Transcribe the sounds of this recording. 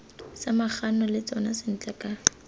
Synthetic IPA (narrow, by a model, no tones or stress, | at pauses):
samaχanɔlɪt͡sɔnasɪn̩t͡ɬʼɛkʼa